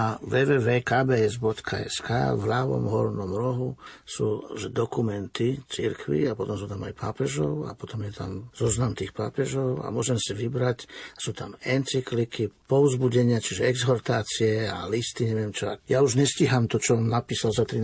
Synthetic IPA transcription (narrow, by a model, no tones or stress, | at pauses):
aʋɛːʋɛːʋɛːkaːbɛːɛzbɔt̪kʰa̰ɛ̰ska̰ːvlaɦʋɔ̰mɦɔɾnɔmɾɔɦusuːʒɛd̪ɔkumɛnt̪it͡siɾkʰʋḭapɔt̪ɔmsuːt̪ama̰jpa̰ːpɛʒɔʊa̰pɔt̪ɔmjɛt̪a̰mzɔznamt̪iːxpaːpɛʒɔʊa̰mʊɔʒɛmsiʋibɾacasuːt̪amɛnt͡siklikipɔʊzbuɟɛɲɪat͡ʃiʒɛɛɡzɦɔɾt̪aːt͡siɛa̰list̪iɲɛʋɪɛmt͡ʃɔa̰jauʒɲɛsciɦamt̪ɔt͡ʃɔamnapiːsalzat̪ɾi